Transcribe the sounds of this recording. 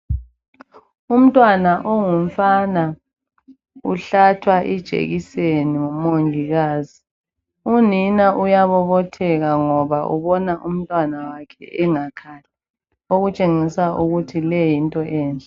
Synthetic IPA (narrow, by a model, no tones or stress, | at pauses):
um̩tʼwanaʔoŋuɱ̩fana | uɬatʰwaʔid̥ʒ̥ʱḛɣiseniŋumoŋʱiɣaːzi | uninaʔujaβɔβɔtʰɛɣaŋɔβaʔṵβɔnaʔum̩tʼwanawakʰɛ̰ʔɛŋakʰala | oɣut͡ʃʼeŋisaʔuɣutʰilɛjintʼɔʔɛːnd͡ɮʱɛ